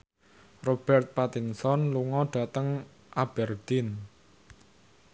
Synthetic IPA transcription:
rob̥ɛrt̪̚pat̪insɔnluŋɔɖ̥a̤t̪əŋ | ʔab̥ɛrd̪̥ɪn

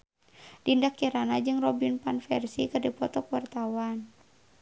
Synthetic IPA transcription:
dindakːiɾanad͡ʒɨŋrɔbinpanfɛrsikɨrdipɔt̪ɔkuwart̪awan

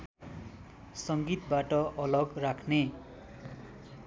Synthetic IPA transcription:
sʌŋɡit̪̚baʈʌʔʌlʌɡrakʰne

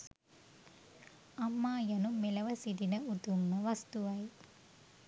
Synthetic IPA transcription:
ɐmːaːjɐnumelɐʋɐsid̪inɐut̪umːɐʋɐst̪uʋɐj

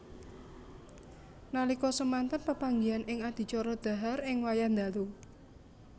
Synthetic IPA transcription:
nalikɔsəmant̪ənpəpaŋɡianʔɪŋad̪̥i̤t͡ʃɔɾɔd̪̥ä̤ɦarɪŋwajand̪alu

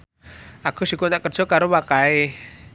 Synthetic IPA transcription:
akʰusikunaʔkər̥d͡ʒ̥ɔkaɾowakae

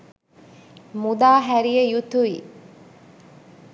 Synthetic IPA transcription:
mud̪aːɦæɾijejut̪uʋi

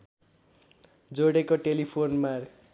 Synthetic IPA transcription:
d͡zoɽekoʈelipʰonmar

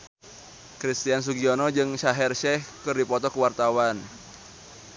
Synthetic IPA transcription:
kɾist̪ians̬uɡionɔd͡ʒɨŋʃaɦɛrʃɛhkɨrdipɔt̪ɔkəwart̪awan

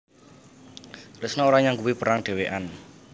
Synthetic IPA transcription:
rɪsnaoɾaɲaŋkuwipəɾaŋɖ̥e̤weʔan

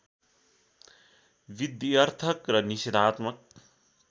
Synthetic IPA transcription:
ʋid̪iʌrt̪ʰʌkrʌnised̪ʱaːt̪mʌk̚

